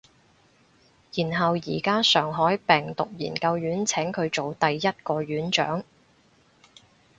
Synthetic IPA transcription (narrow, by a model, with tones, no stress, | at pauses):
jiː˨˩nɦɐ˨wjiː˨˩kaː˥sœː˨˩ŋɦɔː˨˥jpɛː˨˩ŋt̪ʊ˨k̚jḭː˨˩nkɐ˧wjyː˨˥nt͡sʰɛː˨˥ŋkʰɵ˨˧ɥt͡ʃo˨wt̪ɐ˨jːɐ˥t̚kɔː˧ɥyː˨˥nt͡ʃœ̰ː˨˥ŋ